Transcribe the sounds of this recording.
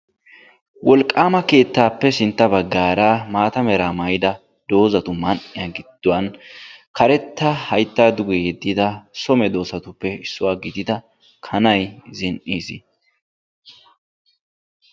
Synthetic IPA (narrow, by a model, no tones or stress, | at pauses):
wʔɔlkʼːaːmɐke̞ːt̪ːaːpːɛsɪnt̪ːɐbɐɡːaːɾaːmaːt̪ɐmɛɾaːmɐjɪd̪ɐ | d̪o̞ːzɐt̪ʊmɐnʔɪjaɡɪd̪̥ːʊwɐnkɐɾɛt̪ːɐhɐjt̪ːaːd̪ʊɡɛjɛd̪ːɪd̪ɐsɔmɛd̪o̞ːsɐt̪ʊpːɛɪsːʊwaːɡɪd̪ɪd̪ɐ | kʰɐnɐjzɪnʔiːsɪ